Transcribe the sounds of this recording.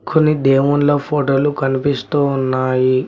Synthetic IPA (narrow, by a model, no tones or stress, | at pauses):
kʰunid̪eːʋunloːpʰoːʈoːlukɐnipist̪uːnːaːji